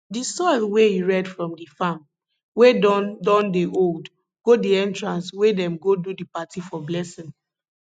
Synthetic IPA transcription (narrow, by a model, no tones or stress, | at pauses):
disɔlweiɹɛdfɹɔ̃mdifam | wedɔ̃ndeʔold | ɡ̥odiɛ̃ntɹãnswedɛ̃mɡodudipatifɔblɛsĩn